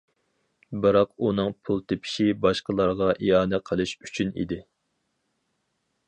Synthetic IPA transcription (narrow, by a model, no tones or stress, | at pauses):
bɨɾɑqunɨŋpʰulˠt̪ʰepʰi̥ʃibɑʃqəlˠɑɾʁɑʔijɑːnɛqʰəlˠɨʃy̥t͡ʃʰynḭd̪ɪ